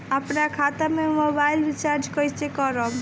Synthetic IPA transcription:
əpnakʰat̪amemobailbit͡ʃaɾd͡ʒkɔjt͡ʃekɔɾɔm

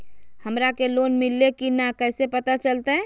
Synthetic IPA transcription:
həmɾakeloːnmɪlːekinakɛːsepət̪at͡ʃəlt̪aɦɛ̃

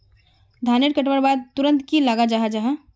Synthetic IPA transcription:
d̪ʱaːneʈkəʈʋəɾbaːd̪̚t̪uɾə̃nt̪kilaɡad͡ʒaɦad͡ʒaɦa

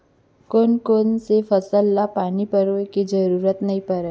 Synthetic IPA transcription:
koːnkoːnsefəsəlːapaːnipəɾokid͡ʒəɾuːɾət̪nəɦĩpəɾɛː

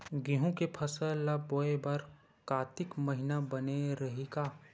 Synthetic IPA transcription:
ɡiɦũkepʰɐsəllaboːebɐɾ | kaːt̪ɪkmɐɦɪnabɐneɾɐɦeɡaː

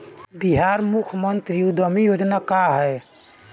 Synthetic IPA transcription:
biɦaɾmukʰmənt̪ɾiud̪ʱəmijod͡ʒnakaɦɛ

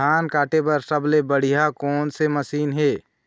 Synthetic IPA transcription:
aːnkaːʈepɐɾsəblebəɽ̤ijakɔːnsemɐsiːnɦeː

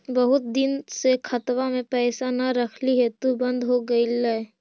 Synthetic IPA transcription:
bəɦʊt̪̚d̪ɪnsekʰɐt̪wamẽpɛːsanaɾəkʰliɦɛt̪obə̃nd̪ɦoɡəilɛ

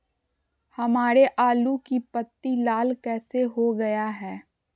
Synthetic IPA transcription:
hɐmaːɾeʔaːlukipət̪ːilaːlkɛːseɦoɡɐjaɦɛː

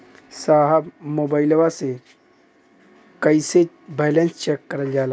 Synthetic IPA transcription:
saːɦəbmoːbaːɪlwase | kəɪse | bɛːlẽnst͡ʃeːkːəɾəld͡ʒaːla

